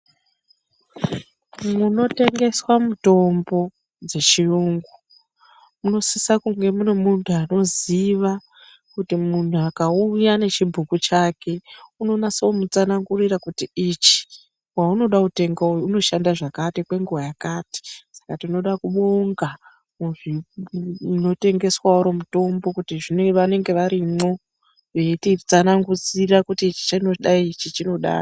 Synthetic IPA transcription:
muno̞te̞ŋɡe̞swamuto̞mbo̞ | d͡ze̞t͡ʃiuŋɡu | muno̞sisakuŋɡe̞munomuntʰuano̞ziʋa | kutimun̤uakaujane̞t͡ʃibʱukut͡ʃake̞uno̞nasaomut͡sanaŋɡurirakutiit͡ʃi̥ | wauno̞ɗakute̞ŋɡouno̞ʃandaʐakatikwe̞ŋɡuwajakaːti̥sḁkatino̞ɗakuɓo̞ŋɡa | uʐi | no̞te̞ŋɡe̞swauɾo̞muto̞mbo̞kutiʐineʋane̞ŋɡe̞ʋaɾimo̞ | ʋe̞tid͡zanaŋɡud͡zirakutiːt͡ʃi̥t͡ʃanoɗaiit͡ʃit͡ʃino̞ɗa̰ːro

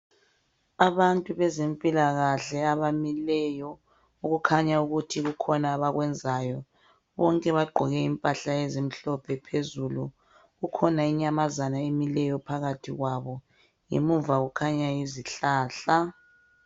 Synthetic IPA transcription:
aβantʼuβɛzempʼilaɣaɬɛaβamilɛjɔ | uɣukʰaɲauɣutʰiɣukʰɔnaːβaɣwɛnd͡zʱajɔ | βɔŋkʼɛβaɡ͡ǃʱɔɣɛimpʼaɬaezim̩ɬɔpʰɛpʰezulu | ɣukʰɔnaiɲamazanaemilɛjɔpʰaɣatʰiɣwaβɔ | ŋḛmuɱvaɣukʰaɲaiziɬaːɬa

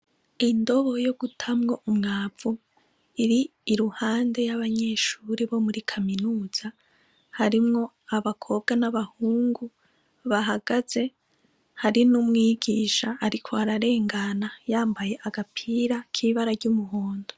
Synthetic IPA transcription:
indo̞βo̞jo̞ɡutʰamŋo̞ʔumŋaːvu | iɾiːɾuhaːnde̞jaβaɲe̞ːʃuɾiβo̞muɾikʰaminuːz̥a | haɾimŋo̞ | aβakʰo̞b̚ɡanaβahuːŋɡu | βaɦaɡaz̥e̞ | haɾinumŋiːɡiːʃaːɾikʰo̞aɾaɾe̞ːŋɡanajaːmbaje̞ʔaɡapʰiɾakʰiβaɾaɾɟumuɦoːndo

